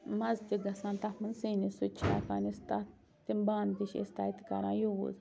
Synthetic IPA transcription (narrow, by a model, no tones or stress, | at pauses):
mãzt̪ʲiɡasãnt̪amansinĩsut͡ʃʰa̰kanist̪a | t̪imbant̪iʃḛst̪ait̪i̥ka̰ɾãjuwṵz